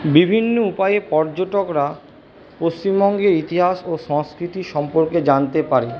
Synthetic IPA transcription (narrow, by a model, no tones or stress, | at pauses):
bibʱinːoupajepɔɾd͡ʑoʈokɾa | post͡ɕimbɔŋɡeɾit̪iɦaʃoʃɔŋskɾit̪iʃɔmpoɾked͡ʑant̪epaɾe